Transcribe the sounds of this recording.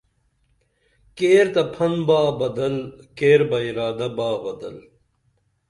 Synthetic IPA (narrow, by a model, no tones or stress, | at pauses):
keːɾt̪ɐpʰɐnbaːbɐd̪ɐlkeːɾbɐiɾaːd̪ɐbaːbɐd̪ɐ̰l